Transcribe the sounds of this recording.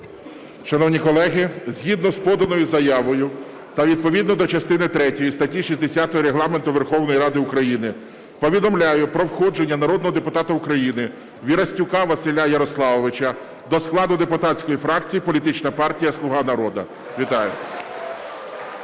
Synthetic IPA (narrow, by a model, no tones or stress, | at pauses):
ʃɐnɔwnʲikɔlˠɛɦɪzʲɦid̪nɔspɔd̪ɐnɔjʊzɐjaʋɔjʊ | t̪ɐʋʲid̪̚pɔʋʲid̪nɔd̪ɔt͡ʃɐst̪ɪnɪt̪ɾɛtʲɔjist̪ɐtʲiʃʲisʲd̪esʲat̪ɔjiɾeɦlˠɑment̪ʊʋerxɔwnɔjiɾɑd̪ɪʊkɾɐjinɪ | pɔʋʲid̪ɔmlʲajʊpɾɔwxɔd͡ʒenʲːɐnɐɾɔd̪nɔɦɔd̪epʊt̪ɑt̪ɐʊkɾɐjinɪ | ʋʲiɾɐsʲtʲʊkɑʋɐsɪlʲajɐɾɔslˠɑʋɔʋɪt͡ʃɐ | d̪ɔsklˠɑd̪ʊd̪e̞pʊt̪ɑtt͡sʲkɔjifɾɑkt͡sʲijipɔlʲit̪ɪt͡ʃnɐpɑrtʲijɐslˠʊɦɑnɐɾɔd̪ɐ | ʋʲit̪ɑjʊ